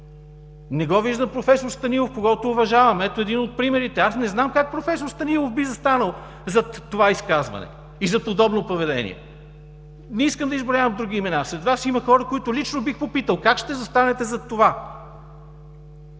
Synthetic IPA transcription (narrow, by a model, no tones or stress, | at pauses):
nɛɡɔviʒd̪əmpɾofɛsoɾst̪ɐnilˠofkoɡɔt̪oːvɐʒavɐmɛt̪oɛd̪inot̪̚pɾimɛɾit̪ɛasnɛznamkak̚pɾofɛsoɾst̪ɐnilˠofbizɐst̪anəlˠ | zɐt̪ːovaiskazvɐ̰nɛ̰ | izɐpod̪ɔbnopovɛd̪ɛ̰nʲḭɛ̰ | nɛiskəmd̪əizbɾavəmd̪ɾuɡ̟iːmɛnasɾɛt̪vasiməxɔɾəkoit̪ʊlit͡ʃnobixpopit̪əlˠkakʃt̪ɛzɐst̪anɛt̪ɛzɐt̪ːova